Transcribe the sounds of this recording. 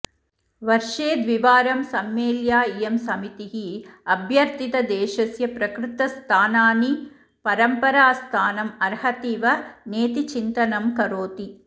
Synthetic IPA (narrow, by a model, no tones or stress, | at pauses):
ʋɐɾʂeːd̪ʋiʋaːɾɐmsɐmeːljaːijɐmsɐmit̪iɦiɐbʱjɐɾt̪it̪ɐd̪ɛːʃɐsjɐpɾɐkɾut̪ɐst̪ʰaːnaːni | pɐɾɐmpɐɾaːst̪ʰaːnɐmɐɾhɐt̪iːʋɐneːt̪it͡ʃint̪ɐnɐmkɐɾoːt̪i